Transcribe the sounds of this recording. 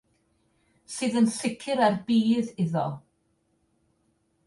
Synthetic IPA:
sɨːðənθɪkʰɪɾarbiːðɪðɔlˠ

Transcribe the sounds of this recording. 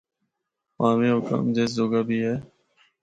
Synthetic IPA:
pãːmẽːɦʊkã̰ːmd͡ʒeːszoːɡaːbʱiːɦɛː

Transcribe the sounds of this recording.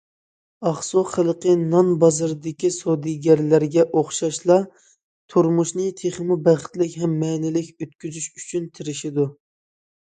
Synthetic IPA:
ɑχsoχəlˠqənɑnbɑzɨɾd̪ɪkʲisod̪iɡʲɛɾlæɾɡʲɛʔoχʃɑʃlˠɑ | t̪ʰuɾmuʃnɨt̪ʰeχɨmubæχɪ̥t̪lɪkʲɦɛmːɛːnɪlɪkʲøt̪̚kʲyzyʃyt͡ʃʰynt̪ʰɪɾɪʃɪd̪u

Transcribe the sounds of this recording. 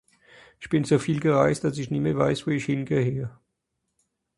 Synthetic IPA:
ʔɪçb̥ɪnzoːfiːlɡəʁaɪst̚d̥asɪçniːmeɐvaɪsvoːɪçhɪnɡeːheːə

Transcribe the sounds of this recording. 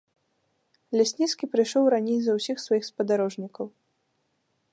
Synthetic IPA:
lʲasʲnʲit̪skʲipɾɨjʂɔwɾanʲejzɐwsʲixsvajixspɐd̪aɾɔʐnʲikɐw

